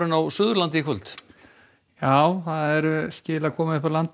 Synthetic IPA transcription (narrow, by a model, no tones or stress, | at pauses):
ɾɪnawsʏðʏɾlant̪̬ɪkʰvʏlt̪ | jaːwθaðɛɾscɪːlaðkʰɔːmaɪhfɾaɾlant̪